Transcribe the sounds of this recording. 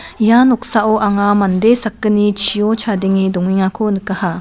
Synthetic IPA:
janɔk̚saʔoʔaŋamand̪esakːɯnit͡ʃʰijot͡ʃʰad̪iŋid̪ɔŋiŋakʰonɯkaha

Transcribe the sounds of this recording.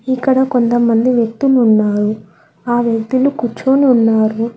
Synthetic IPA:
ikːɐɽɐkont̪ɐmɐnd̪iʋjɐk̚t̪ulːnːaːɾu | aːʋjɐkt̪ulukut͡ʃːuːniunːaːɾu

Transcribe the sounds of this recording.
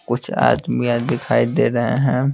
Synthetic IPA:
kʊt͡ʃʰa̰ːd̪mijãd̪ɪkʰaːid̪eːɾɐɦeɦɛ̃ː

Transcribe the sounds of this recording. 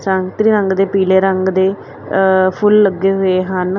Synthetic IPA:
səŋɡt̪ɾiːɾəŋɡd̪eːpiːleːɾəŋɡd̪eː | pʰʊlːəɡeːɦʊeːɦən

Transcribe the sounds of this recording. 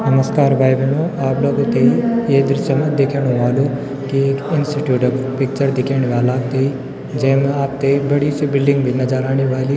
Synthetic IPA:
nɐməskaːɾbʱaːjʋenoaːp̚lɐɡot̪eeːd̪ɾɪʃjəmɐ̃d̪eːkʰeɽ̃oʋaːlo | kieːkɪnsʈiʈjuːʈɐɡpɪk̚t͡ʃəɾd̪ɪkʰeɽ̃iʋaːlaːk̚t̪ei | d͡ʒɐ̃ɦɪ̃mẽaːp̚t̪ebɐɽisibɪlɖɪ̃ŋɡbʱinɐd͡ʒaːɾaːɽ̃iʋaːli

